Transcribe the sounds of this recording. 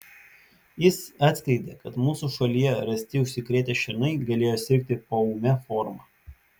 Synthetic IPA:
jɪsɑːt̪ʲsʲkɾʲɛɪd̪ʲekɐt̪muːsuːʃɐlʲijɛɾɐsʲt̪ʲɪʊʃʲsʲɪkɾʲeːt̪ʲeːʃʲɪɾnɐɪɡɐlʲeːjoːsʲɪɾʲk̚t̪ʲɪpoːuːmʲɛfɔːɾmɑː

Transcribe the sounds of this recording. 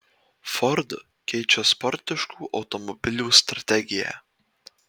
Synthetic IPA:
fɔɾd̪ | kʲɛɪt͡ʃʲɛspɔɾʲt̪ʲɪʃkuːʔɒʊt̪ɔmɔbʲɪlʲuːst̪ɾɐt̪ʲɛɡʲɪjæ̰

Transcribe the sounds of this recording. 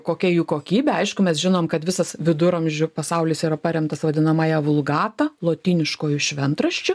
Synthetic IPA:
koːkʲɛjuːkoːkʲiːbʲɛɐɪʃkʊmʲɛsʒʲɪnoːmkɐt̪ʋʲɪsɐsʋʲɪd̪ʊɾɐmʲʒʲʊpɐsɐʊlʲɪːsiːɾɐpɐɾʲɛmt̪ɐsʋɐd̪ʲɪnɐmɑːjɛʋʊlˠɡɑːt̪ɐlˠoːt̪ʲiːnʲɪʃkoːjʊʃʲʋʲɛnt̪ɾɐʃʲt͡ʃʲʊ

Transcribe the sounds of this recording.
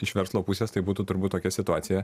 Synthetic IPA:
ɪʃʋʲɛɾslˠoːpusʲeːst̪ɐɪbuːt̪uːt̪ʊɾbuːt̪oːkʲɛsʲɪt̪ʊɑːt̪ʲɪjɛ

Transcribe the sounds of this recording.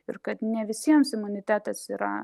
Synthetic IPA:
ɪɾkɐt̪nʲɛʋʲɪsʲiɛmsɪmʊnʲɪt̪ʲæːt̪ɐsiːɾɐ̰

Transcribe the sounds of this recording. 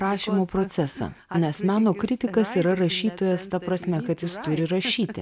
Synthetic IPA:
ɾɑːʃʲiːmoːpɾoːt̪sʲɛsɑ̰ | nʲɛsmʲæːnoːkɾʲɪt̪ʲɪkɐsiːɾɐɾɐʃʲiːt̪oːjɛst̪ɐpɾɐsʲmʲɛkɐt̪jɪst̪ʊɾʲɪɾɐʃʲiːt̪ʲɪ̰

